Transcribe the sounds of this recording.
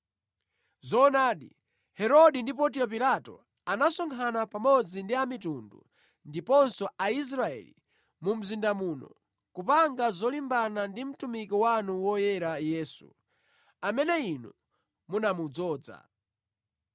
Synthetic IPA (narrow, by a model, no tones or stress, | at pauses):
zɔnaːɗḭ | hɛɾɔɗindipɔt̬iɔp̬ilatɔ̰ | anasɔŋkʰanapamɔd͡zindiamitundṵ | ndipɔnsɔais̬ɾaɛ̰lḭ | mum̩zindamuːnɔ̰ | kupaŋɡazɔlimbanandim̩tumikiwanuwɔjɛɾajɛːsṵ | amɛnɛinṵ | munamud͡zɔːd͡za̰